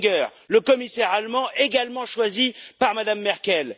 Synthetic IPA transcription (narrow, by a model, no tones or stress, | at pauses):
ɡœːʁ | ləkɔmisɛʁalmɑ̃ʔeɡalmɑ̃ʃwazipaʁmad̪amːɛʁkʲɛl